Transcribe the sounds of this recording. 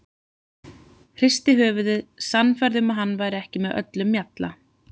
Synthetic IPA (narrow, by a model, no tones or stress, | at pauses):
hr̥ɪst̪ɪɦœːvʏðʏðsanːfaɾðʏmaðɦanːvaːjɾɪɛhcɪmɛðœ̰t̪lʏmːjat̪la̰